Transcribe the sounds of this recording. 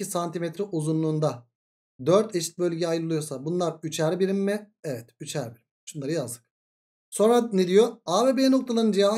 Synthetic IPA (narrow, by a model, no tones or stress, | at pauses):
isant̪ʰimet̪ɾɛʔuzunlˠuːnd̪a | d̪øɾt̪ʰeʃi̥t̪̚bølʲɟɛajɯlˠɯjosabunlˠaɾyt͡ʃʰæɾbiɾimːɪevɛt̪yt͡ʃʰæɾbiɾimʃunˠaɾɯjazd̪ˠɯ̥k̚ | so̞nɾaned̪ijo̞aːbebeno̞k̚t̪ʰalˠaɾɯnd͡ʒijaː